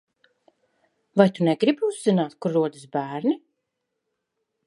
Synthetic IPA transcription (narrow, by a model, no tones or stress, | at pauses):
vajt̪unɛɡɾibuzːinaːt̪kuɾːuɔd̪ɨsbæːɾni